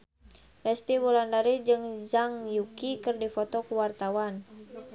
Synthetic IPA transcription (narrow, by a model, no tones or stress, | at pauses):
fɛst̪iwulandaɾid͡ʒɨŋd͡ʒaŋjukikɨrdifɔt̪ɔkuwart̪awan